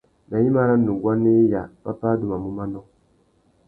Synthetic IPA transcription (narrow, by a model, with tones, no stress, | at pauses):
na˨ji˦ma˦ɾa˦nːu˨ɡwa˦ne˦ja˨pa˦pa˦du˦˨ma˨mu˦ma˦nɔ˦